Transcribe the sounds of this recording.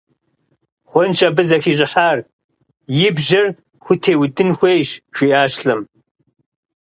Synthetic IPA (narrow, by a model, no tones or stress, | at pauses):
χʷɔnt͡ʃʼɐbɨzɐxiːɕʼɪħaːr | jɪbʒɐr | xʷʊtʰeːwdɨnxʷejɕʃʷiːʔaːɕɬɐm